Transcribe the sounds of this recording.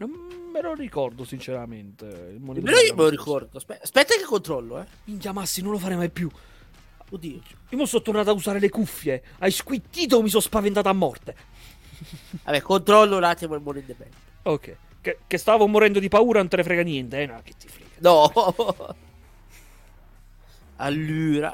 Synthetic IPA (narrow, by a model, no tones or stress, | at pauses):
nomːelorikɔrd̪osint͡ʃeɾament̪eilmonɛd̪meloiomelorikɔrd̪ospɛspɛt̪ːakekːont̪ɾɔlːoɛvint̪amasːinõnlofaːɾemajpju | od̪i̥ː | iomosːɔt̪ːornat̪ausaːɾelekufːje | ajskwit̪ːiːt̪̬omːis̬ɔspavent̪aːt̪oamːɔrt̪e | a̰bɛkːont̪ɾɔlːolat̪ːimomonend̪ebɛ̰lː | okʰːɛ̰j | kekest̪aːvomoɾɛnd̪od̪ipauːɾanont̪elefɾɛɡanjɛnt̪eɛnak̟ːe̥t̪ːi̥fɾɛ̰ːɡanɔ | a̰lːyːɾa̰